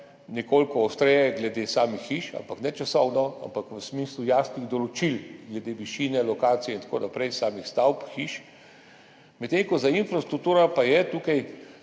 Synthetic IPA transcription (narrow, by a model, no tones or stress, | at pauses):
nɛkolkɔɔst̪ɾejɛɡlɛd̪esaːmixːiːʃa̰mpaknɛt͡ʃasɔwnɔa̰mpakʋəsmiːslujaːst̪iɣd̪ɔlɔt͡ʃilɡlɛd̪eːʋiʃiːnɛlɔkaːt̪sijɛint̪ako̰napɾɛjsaːmixst̪awpxiʃ | mɛt̪ːeŋkɔzainfɾast̪ɾuk̚t̪uːɾapajɛt̪uːkaj